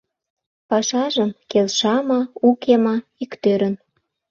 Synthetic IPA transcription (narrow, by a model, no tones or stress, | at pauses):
pɑʃɑʒəmkelʃɑmɑukʰemɑikt̪øɾən